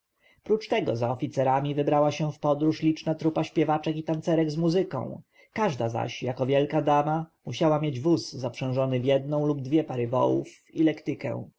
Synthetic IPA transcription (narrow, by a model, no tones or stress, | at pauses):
pɾut͡ʂt̪ɛɡɔzaɔfʲit̪sɛɾamʲivɘbɾawaɕɛfpɔd̪ɾuʂlʲit͡ʂnat̪ɾupaɕpʲjɛvat͡ʂɛkit̪ant̪sɛɾɛɡzmuzɘkɔ̰̃w̃ | kaʐd̪aza̰ɕjakɔvʲjɛlkad̪amamuɕawamjed͡ʑvusːapʂɛ̃w̃ʐɔnɘvjɛd̪̚nɔ̃w̃lub̚d̪vʲjɛpaɾɘvɔ̰wṵf | ilɛkt̪ɘkɛ̰̃w̃